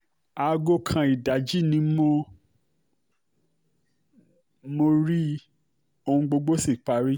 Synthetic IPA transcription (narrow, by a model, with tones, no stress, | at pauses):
a˨˧ɡo˦kʰã˧i˨da˨d͡ʒi˦nĩ˨˦mo˦ | mo˧ɾi˦ | o˧hũ˧ɡ͡bo˧ɡ͡bo˦si˦˨k͡pa˨ɾi˦